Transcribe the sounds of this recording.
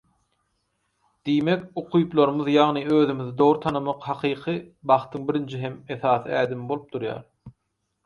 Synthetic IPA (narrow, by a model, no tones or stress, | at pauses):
d̪̥ijme̞kʲoqʰujplˠoɾmɯðjɑʁnɨøːðymiðid̪oʁɾut̪ʰɑnɯmɑqhɑqʰɯːqʰɯbɑχt̪ʰɯŋbiɾind͡ʒiɦe̞meθɑːθɯæːd̪imbo̞lˠup̚d̪̥uɾjɑ̰ːɾ